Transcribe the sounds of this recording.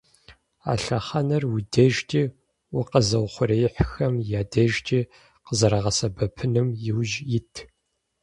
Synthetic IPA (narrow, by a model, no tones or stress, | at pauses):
a̰ːɬɐχɐnɐrwideʒtʰʼiː | ʊqəzɐwχʷʊɾɐjɪħxɐmjaːdɐʒtʼiː | qəzɐɾɐʁɐsɐbɐpʰɨnɨmjɪwʒjɪtʰ